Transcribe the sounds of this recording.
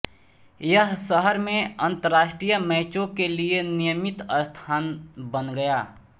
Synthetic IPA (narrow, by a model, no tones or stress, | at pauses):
jəɦsəɦəɾmẽɐ̃nt̪əɾːaːʃʈɾijəmɛːt͡ʃõkelienijəmɪt̪əst̪ʰaːnbənɡɐjaː